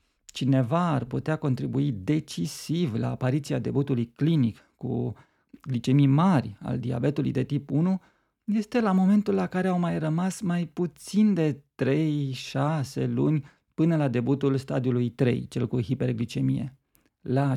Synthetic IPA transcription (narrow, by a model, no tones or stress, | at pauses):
t͡ʃine̞vaːrput̪eako̞nt̪ɾibuid̪e̞t͡ʃisivla̰ːpaɾit̪siad̪e̞but̪ulujklinik | kṵ | ɡlit͡ʃe̞mimarʲa̰ld̪ia̰be̞t̪ulṵjd̪e̞t̪ipunu | je̞st̪e̞lamo̞me̞nt̪ulːakaɾe̞awmajrəmasmajput̪sind̪e̞t̪ɾe̞jʃase̞lunʲ | pɨnəlad̪e̞but̪ulst̪ad̪iulujt̪ɾe̞̰jt͡ʃe̞̰lkuɦipe̞rɡlit͡ʃe̞mije̞̰ | la